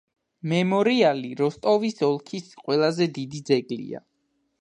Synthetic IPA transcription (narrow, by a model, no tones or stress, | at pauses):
mɛmɔɾialiɾɔst̪ʼɔvisɔlˠkʰisqʼwɛlˠazɛd̪id̪id̪zɛɡlḭa̰